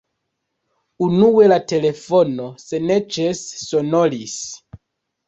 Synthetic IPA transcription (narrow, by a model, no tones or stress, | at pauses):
unuwe̞late̞le̞fono̞se̞net͡ʃesːo̞nolis